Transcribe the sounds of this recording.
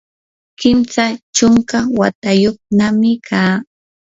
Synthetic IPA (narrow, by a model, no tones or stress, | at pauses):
kɪmsat͡ʃʊŋkawat̪ajoχnamɪkʰaː